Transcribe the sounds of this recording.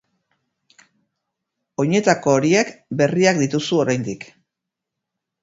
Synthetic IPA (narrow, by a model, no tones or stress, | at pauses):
o̞ɲe̞t̪ako̞ːɾie̞kbe̞riakd̪it̪usuo̞ɾajnd̪ik